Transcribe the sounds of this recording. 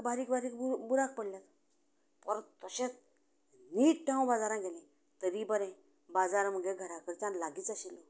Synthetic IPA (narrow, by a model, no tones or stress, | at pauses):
baɾikbaɾiːk̚buɾak̚pəɽlat̪ | pəɾt̪əɕẽt͡s | niːʈʈʰãw̃bad͡zaɾãɡʱelẽ | t̪əɾibəɾɛ̃ | bad͡zaɾm̤əɡeɡʱəɾakəɾt͡ɕãnlaɡiːt͡saɕilɔ